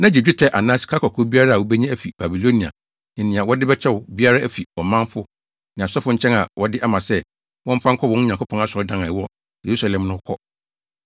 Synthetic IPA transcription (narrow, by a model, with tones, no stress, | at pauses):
nã˦d͡ʑi˨d͡ʑᶣɪ˦tʰɛ˦ʔa˨nãː˦si̥˨kʰa˦kʰɔ˨kʰʊ˦bi˦a˦ɾa˦a˨ɔ˦bɛ˦ɲã˦æ˦˨fi˨ba˨bi˨lo˦nĩ˨a̰˨ | nɪ̃˨nɪ̃˨a˨wɔ˦dɪ˦bɛ˦t͡ɕʰɛ˦ʊ˨bi˦a˦ɾa˦æ˨fi˨ɔ˨mã˦m˦fʊ˦ | nɪ̃˨a˨sɔ˦fʊ˦ɲ̩˦t͡ɕʰɛ̃˦na˨wɔ˦dɪ˦ʔa˦mã˨sɛ˦ | wɔ̃˦m̩˦pʰã˦ŋ̩˦kʰɔ˦wɔ̃˦n˦ɲã˨kʰʊ˦pʰɔ̃˦n˦a˦sʊ˨ɔ˦dã˦nã˨ɪ˨wɔ˦ | je˨ɾu˦sa˨lɛ̃˨mnʊ̃˦kʰɔ˦